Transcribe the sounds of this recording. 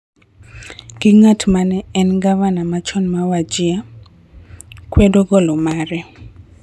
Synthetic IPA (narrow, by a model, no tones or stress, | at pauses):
ɡ̥iŋatmanɛɛnɡavanamat͡ʃɔnmawad͡ʒɪa | kwedoɡɔlɔmaɾɛ